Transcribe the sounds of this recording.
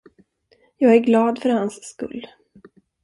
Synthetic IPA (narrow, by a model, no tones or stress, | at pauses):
jɑːɡæɾɡlɑːd̪fœɾhansːkɵ̰lː